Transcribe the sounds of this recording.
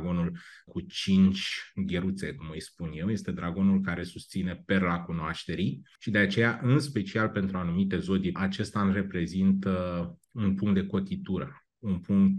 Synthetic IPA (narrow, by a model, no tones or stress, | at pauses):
ɡo̞nulkut͡ʃint͡ʃʲɡʲeɾut̪se̞kumɨjspunje̞wje̞st̪e̞d̪ɾaɡo̞nulkaɾe̞sust̪sine̞pe̞rlakunoaʃt̪e̞ɾiʃid̪e̞at͡ʃe̞jaʔɨnspe̞t͡ʃialpe̞nt̪ɾuanumit̪e̞zo̞d̪iat͡ʃe̞st̪anre̞pɾezint̪əunpuŋkt̪̚d̪e̞ko̞t̪it̪uɾə | unpuŋkt̪